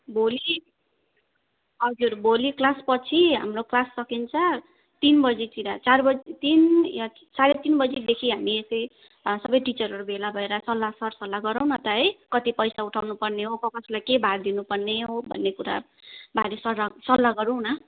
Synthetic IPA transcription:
boli | ɦʌd͡zurboliklaspʌt͡sʰiɦa̰mroklasːʌkint͡sʰʌ | t̪inbʌd͡zit̪iɾat͡sarbʌd͡zit̪inja | t͡saɾet̪inbʌd͡zid̪ekʰiɦamiesʌj | sʌbʌjʈit͡sʌɾɦʌɾubʱelabʱʌeɾʌsʌlːasʌrsʌlːaɡʌɾaw̃nʌt̪ʌɦʌjkʌt̪ipʌjsauʈʰawnupʌrneɦokʌkʌsʰlajkebʱaɾd̪inupʌrneɦobʱʌ̰nːekuɾa̰ | bʱaɾesʌɾasʌlːaɡʌɾũnʌ

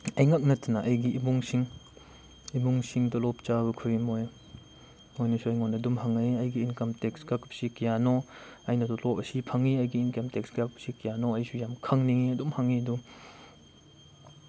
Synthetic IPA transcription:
ɐjŋak̚nɐtʰːɐnɐʔɐjɡiʔimuŋsiŋ | imuŋsiŋtɔlɔp̚t͡ʃaβɐkʰuɾimoj | ojnɐsuɐjŋonɐdumhaŋɐjɐjɡiːnkɐmteksɡakpsikijanoɐjnɐtɔlɔpɐsipʰɐŋiɐjɡiːnkɐmteksɡak̚psikijanoɐjsujamkʰɐŋniŋiɐdumhaŋiɐdu

